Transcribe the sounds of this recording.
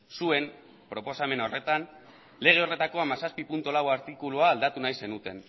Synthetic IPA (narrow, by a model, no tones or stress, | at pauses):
sue̞m | pɾo̞po̞same̞no̞re̞t̪an | le̞ɣ̞e̞o̞re̞t̪ako̞amasaspipunt̪olawaɾt̪ikuluaːld̪at̪unajse̞nut̪e̞n